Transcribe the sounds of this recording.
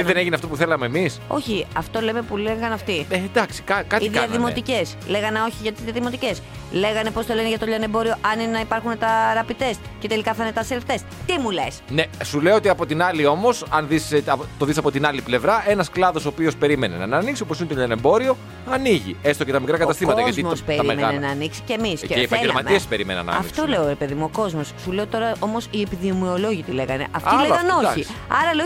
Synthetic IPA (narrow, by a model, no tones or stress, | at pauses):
t̪iðeneʝineɐft̪o̞puθe̞lɐmeːmiso̞̰çiɐft̪o̞lemepuleɣɐnɐft̪ied̪ɐksi̥kɐkɐtiðɐɐðimo̞t̪ice̞sle̞ɣɐneo̞çiʝɐt̪izðiɐðimo̞t̪ice̞s | le̞ɣɐne̞po̞st̪oleneʝɐt̪oʎɐnebo̞ɾio̞ʔɐninenɐipɐɾxunet̪ɐɾɐpit̪e̞sce̞t̪e̞likɐθɐnet̪ɐseleft̪e̞st̪imule̞̰snesuleoot̪iɐpo̞t̪inɐlio̞mo̞sɐnðist̪oðisɐpo̞t̪inɐliple̞vɾɐe̞nɐsklɐðo̞sopio̞spe̞ɾimenenɐnɐniksioposinet̪onembo̞ɾio̞ | ɐniʝḭe̞st̪ocet̪ɐmikɾɐkɐt̪ɐst̪imɐt̪ɐʝɐtzimospeɾɐimenenɐɐniksi̥cemisepɐeɟelɐmɐmiespe̞ɾimenɐ̰nːɐ̰ɐiftkso̞le̞oɾe̞pe̞ðimuo̞ko̞zmo̞sːuleot̪o̞ɾɐʔo̞mo̞siepiðiomio̞lo̞ʝit̪ile̞ɣɐne̞̰ʔɐft̪ileɣɐno̞iɐɾɐleo